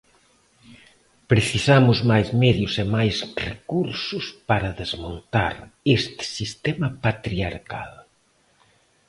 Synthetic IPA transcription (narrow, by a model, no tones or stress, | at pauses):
pɾeθisamʊzmajzmɛðjʊsemajzrekuɾsʊspaɾɐðezmont̪a̰ɾest̪ɪ̥sist̪emɐpat̪ɾia̰ɾka̰l